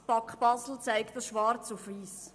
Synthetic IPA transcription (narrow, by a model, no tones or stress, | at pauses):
pɑkχb̥ɑzl̩t͡sæɪkt̚dɑsʃʋɑɾt͡sufʋiːs